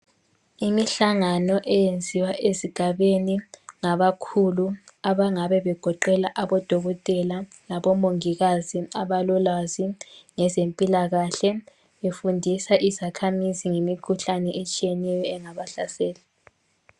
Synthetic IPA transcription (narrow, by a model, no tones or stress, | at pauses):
imiɬaŋanɔʔɛjend͡zʱiwaʔeziɡ̥ʱaβeniŋaβakʰulu | aβaŋaβɛβɛɡ̥ʱɔǃɛlaʔaβɔd̥ʱɔɣɔtʼɛla | laβɔmoŋiɣaziaβalɔlaziŋɛzempʼilaɣaɬɛ | βefundʱisaʔizakʰamiziŋemikʰuɬanɛʔet͡ʃʼijɛnɛjɔɛŋaβaɬasɛːla